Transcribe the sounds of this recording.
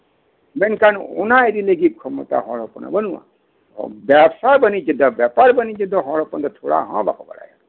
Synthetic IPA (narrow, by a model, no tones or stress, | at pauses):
menkanṵnaed̪ileɡib̚kʰɔmɔt̪a̰ɦɔɾɔpɔnɔ̰bənuwã̰ | bɛbsabənid͡ʒəd̪ɔbapaɾbənid͡ʒəd̪ɔɦɔɾɔpɔnt̪ɔt̪ʰoɽa̰ɦɔ̰̃ba̰kɔba̰ɾa̰ja